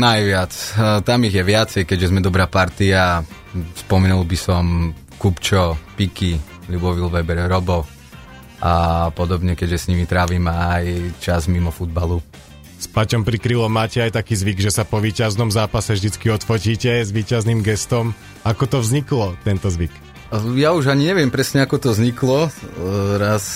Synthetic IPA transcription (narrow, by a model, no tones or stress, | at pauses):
najʋɪat͡st̪amiɣjɛʋɪat͡sɛjkɛɟʒɛzmɛd̪ɔbɾaːpaɾt̪ia | spɔmɛnulˠbisɔm | kupt͡ʃɔpiki | ʎubɔʋilʋɛbɛɾɾɔbɔ | apɔd̪ɔbɲɛkɛɟʒɛsɲimit̪ɾaːʋiːmaːjt͡ʃazmimɔfud̪̚balu | spacɔmpɾikɾilɔmːaːcɛajt̪akiːzʋiɡʒɛsapɔʋiːcaznɔmzaːpasɛvʒd̪it͡skiɔt̪fɔciːcɛzʋiːcazniːmɡɛst̪ɔm | akɔt̪ɔvzɲiklɔt̪ɛnt̪ɔzʋik | jauʒaɲiɲɛʋɪɛmpɾɛsɲɛakɔt̪ɔvzɲiklɔ | ɾas